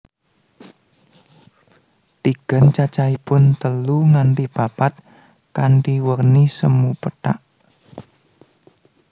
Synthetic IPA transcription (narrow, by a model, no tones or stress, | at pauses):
t̪iɡ̥a̤nt͡ʃat͡ʃaipʊnt̪əluŋaɳʈib̥a̤pat̪̚ | kaɳʈiwərnisəmupəʈaʔ